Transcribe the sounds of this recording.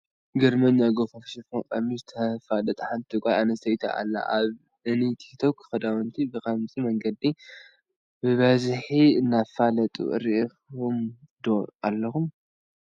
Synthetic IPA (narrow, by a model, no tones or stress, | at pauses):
ɡɐɾmɐnjaɡofɐfʃifokʼamizɨt̪ʰɐfalɐt̪ʼɐħant̪ʰɨkʷʼajanɐsɐjt̪ʰa̰ʔa̰lːa̰ʔaβ | ɨnit̪ʰi̥t̪ʰokʰːɨ̥xɐd̪awɔnt̪ʰibɨkʰɐmzʼimɐŋɡɐd̪i | bɨβɐzħiɨnːafalɐt̪ʼṵɾiʔxum | d̪oalːɐxum